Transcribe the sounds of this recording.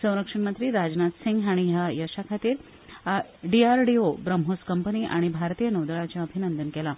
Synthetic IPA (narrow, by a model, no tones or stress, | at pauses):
sə̃w̃ɾəkʂəɳmənt̪ɾiːɾad͡znat̪siŋɡaɽ̃iɦajəʂakʰat̪iːɾ | ɖiaɾɖiobɾəmɦoskəmpəniːʔa̰ɽ̃ibʱaɾt̪iːjənəwd̪ɭat͡ɕjaəbʱinənd̪ənkɛla